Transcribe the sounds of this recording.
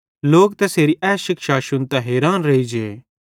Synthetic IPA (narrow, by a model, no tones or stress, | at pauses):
loːk̚t̪ɛseːɾiʔɛːsʃɪkʃaʃʊnt̪ɛɦeːɾaːnɾɐɦid͡ʒeː